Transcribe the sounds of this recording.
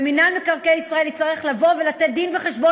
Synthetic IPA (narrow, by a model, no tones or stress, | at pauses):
minalmekaʁkejisʁae̞ljitt͡saʁeχlavo̞velat̪et̪̚d̪inveχeʃbo